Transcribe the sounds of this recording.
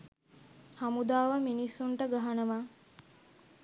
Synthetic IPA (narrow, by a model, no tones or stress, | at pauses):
hamud̪aːʋəminisuɳʈəɡaɦanɐʋaː